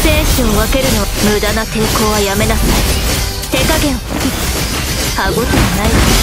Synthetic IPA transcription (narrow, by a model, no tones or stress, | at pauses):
seːɕĩβake̞ɾɯ̟no̞βmɯ̟d̪anat̪eko̞ːβajame̞nasɨna | t̪e̞kaɡẽ̞ɰ̃ | i | haɡot̪emanai